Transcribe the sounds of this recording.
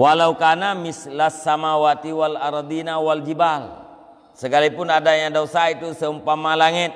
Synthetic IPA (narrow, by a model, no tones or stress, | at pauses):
walaukanamislasːamawat̪iwalaɾɑd̪inawald͡ʒibal | səkalipunadaɲaŋdosait̪usəumpamalaŋit̪̚